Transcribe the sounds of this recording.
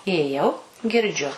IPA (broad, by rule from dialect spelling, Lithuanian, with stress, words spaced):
ɪjeːˈjɛʊ ɡʲɪrʲˈd͡ʒʲʊ